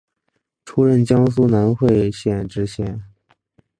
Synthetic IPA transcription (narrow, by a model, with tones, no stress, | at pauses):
ʈ͡ʂʰu˥ɻə˥˩nt͡ɕjɑ˥ŋs̬u˥na˧˥nxwe˥˧ɪɕjɛ˥˩nʈ͡ʂɻ̩˧˥ɕjɛ˥˩n